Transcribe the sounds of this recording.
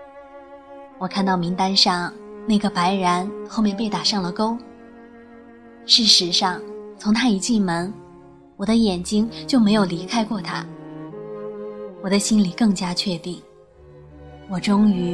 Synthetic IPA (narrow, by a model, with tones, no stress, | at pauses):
wɔ˨˩kʰa˥˧nt̪ɑ˥˩ʊmi˧˥ŋt̪a˥nʂɑ˥˩ŋna˥˩ɪɡə˩pa˧˥ɪɻa˧˥nxo˥˧ʊmjɛ˥˧np̬e˥˩ɪt̪a˨˩ʂɑ˥˩ŋlə˩ko˥ʊ | ʂɻ̩˥˩ʂɻ̩˧˥ʂɑ˥˩ŋt͡sʰʊ˧˥ŋt̪ʰa˥i˧˥t͡ɕi˥˩nmə˧˥n | wɔ˨˩d̪ə˦jɛ˨˩nt͡ɕi˥ŋt͡ɕjo˥˩ʊme˧˥ɪjo˨˩ʊli˧˥kʰa˥ɪkwɔ˥˩t̪ʰa̰˥ | wɔ˨˩d̪ə˦ɕi˥nli˨˩kɤ˥˩ŋt͡ɕja˥t͡ɕʰɥɛ˥˧t̪i˥˩ŋ | wɔ˨˩ʈ͡ʂʊ˥ŋy˧˥